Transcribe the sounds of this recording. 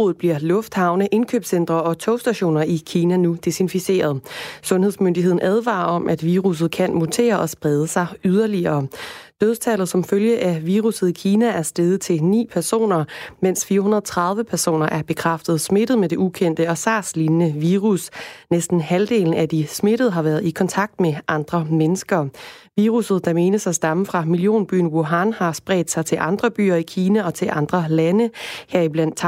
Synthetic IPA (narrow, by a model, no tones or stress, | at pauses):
oð̩ˠb̥liɐ̰lɔ̽fd̥hɑ̈ʊnəʔe̝nkʰø̰ːb̥sen̰d̥ʁɐɒ̽t͡sʰɔ̽ʊsd̥æɕo̝̰ːnɐikʰiːnænud̥e̝sinfise̝̰ːɐð̞̩ˠsɔ̽nhe̝ðˠsmønd̥iɦe̝ðˠn̩ʔæð̞ˠʋɑ̰̈ːɒ̽mʔæd̥ʋiːʁus̬ð̞̩ˠkʰænmot͡sʰe̝̰ːɐʔɒ̽sb̥ʁɛð̞ˠəsɑ̈ɪyð̞ˠɐliɐːd̥øðˠt͡sʰælð̩ˠsɒ̽mføljəʔæʋiːʁusð̞̩ˠikʰiːnææɐsd̥eðˠət͡sʰe̝lnḭːpʰæɐso̝̰ːnɐmen̰sfiːɐhunɐðˠt͡sʰʁɑ̈ð̞ˠʋəpʰæɐso̝̰ːnɐʔæɐb̥e̝kʰʁɑ̈fd̥ð̞̩ˠsme̝ɾ̥ð̩ˠmed̥e̝ʔukʰen̰d̥əɒ̽sɑ̈ːslinnəʋiːʁusnesd̥n̩hæld̥e̝̰ːln̩æd̥isme̝ɾ̥ð̞̩ˠɦɑ̈ʋæɐðˠikʰɒ̽nt͡sʰɑ̈ɡ̥̚d̥meʔɑ̈nd̥ʁɐmenəsɡ̥ɐʋiːʁusð̞̩ˠd̥ɑ̈me̝ːnəsæsd̥ɑ̈məfʁɑ̈milio̝̰ːnb̥y̰ːnwoɦɑnhɑ̈sb̥ʁɛ̰ːd̥sɑ̈ɪt͡sʰe̝lʔɑ̈nd̥ʁɐb̥y̰ːɐikʰiːnæɒ̽t͡sʰe̝lʔɑ̈nd̥ʁɐlænəheɐ̰ib̥læn̰d̥t͡sʰ